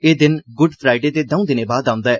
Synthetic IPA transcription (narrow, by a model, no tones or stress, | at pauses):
eːd̪ɪnɡʊɖpʰɾaːɪɖeːd̪eːd̪əũːd̪ɪneːbaːd̪ãːʊ̃nd̪aːɛː